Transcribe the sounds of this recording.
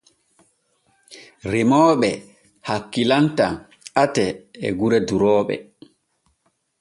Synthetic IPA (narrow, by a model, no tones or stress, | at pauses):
ɾimɔːɓɛ | hakːilanta | atɛɛ̰ɡuɾɛduɾɔːɓɛ̰